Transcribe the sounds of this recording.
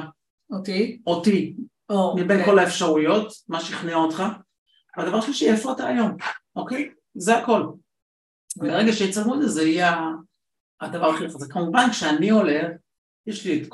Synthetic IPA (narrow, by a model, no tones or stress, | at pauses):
ot̪ioti | omibenko̞laefʃaʁujo̞tmaʃiχneaot̪χa | vead̪ɐvaʁʃeliʃiefoataːjo̞mokej | zeako̞l | beʁeɡaʃeet͡salmuedezeiaː | d̪avaʁaχifazekamuvankʃeanio̞le̞χ | jeʃliet̪k